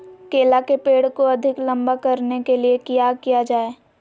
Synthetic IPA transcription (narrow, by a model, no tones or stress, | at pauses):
keːlakepeːɽkoɐd̪ʱɪklɐ̃mbakɐɾnekeliekijakijad͡ʒaːeː